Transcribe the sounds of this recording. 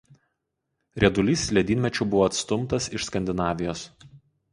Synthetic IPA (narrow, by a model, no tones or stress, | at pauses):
ɾʲɛd̪ʊlʲiːsʲlʲɛd̪ʲiːnmʲɛt͡ʃʲʊbʊʋoːɐt̪st̪ʊmt̪ɐsɪʃskɐnʲd̪ʲɪnɑːʋʲɪjoːs